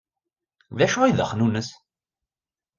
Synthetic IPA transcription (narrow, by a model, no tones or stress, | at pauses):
ðæʃʊiðəχnunəs